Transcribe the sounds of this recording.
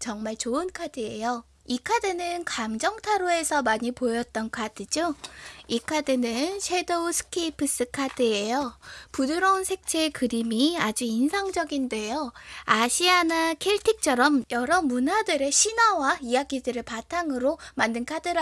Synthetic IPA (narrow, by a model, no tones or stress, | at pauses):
t͡ɕʌŋmaɭt͡ɕoɯnkʰadɯe̞jo | ikʰadɯnɯnkamd͡ʑʌŋtʰaɾoe̞sʰʌmaɲipojʌt̚t͈ʌnkʰadɯd͡ʑoikʰadɯnɯnɕʰe̞dousʰɯ̥kʰipʰɯs͈ɯkʰadɯe̞jopuduɾʌnsʰe̞k̚t͡ɕʰekɯɾimiad͡ʑiinsʰaŋd͡ʑʌɡinde̞joaɕʰianakʰeɭtʰik̚t͡ɕʰʌɾʌmjʌɾʌmunadɯɾe̞ɕʰinawaijaɡidɯɾepatʰaŋɯɾomandɯnkʰadɯɾ